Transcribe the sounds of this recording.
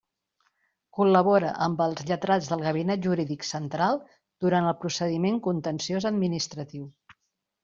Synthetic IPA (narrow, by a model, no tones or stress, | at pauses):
kuləβoɾəʔəmbəlˠzʎət̪ɾad͡zðəlˠɣəβ̞inɛʒuɾiðiksənt̪ɾalˠ | d̪̥uɾanəlˠpɾusəðimeŋkunt̪ənsiozəd̪minist̪ɾət̪iw